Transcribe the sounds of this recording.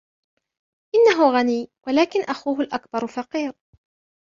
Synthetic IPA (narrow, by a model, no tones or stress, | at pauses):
ʔɪnːaɦʊɣaniːwʔalaːkɪnʔaxuːɦʊlʔakbɑɾˤfɑqiːɾ